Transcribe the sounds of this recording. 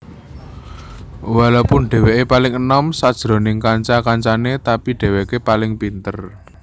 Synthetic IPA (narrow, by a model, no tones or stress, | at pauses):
walawpʊnɖ̥e̤weʔepalɪŋənɔmsad̥ʒ̥ɾo̤nɪŋkaɲt͡ʃakaɲt͡ʃanet̪apiɖ̥e̤wekepalɪŋpint̪ər